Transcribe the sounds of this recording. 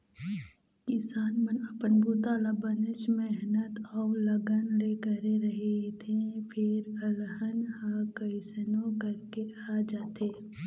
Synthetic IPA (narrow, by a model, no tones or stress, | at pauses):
kɪsaːnmənəpənbuːt̪alabənɪt͡ʃmɛɦnət̪ɔːləɡənlekəɾeɾɐɦet̪ʰepʰɪɾəlɦənhakəɪsənõkəɾkeaːd͡ʒaːt̪eː